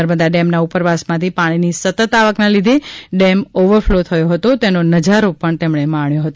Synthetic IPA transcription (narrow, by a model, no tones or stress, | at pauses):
əɾməd̪aɖɛmnaupəɾʋasmãt̪ʰipaɽ̃inisət̪ət̪aʋəknalid̪ʱeɖɛmoʋəɾflot̪ʰəjoɦət̪ot̪enonəd͡ʒaɾopəɳt̪emɳemãɳjoɦət̪o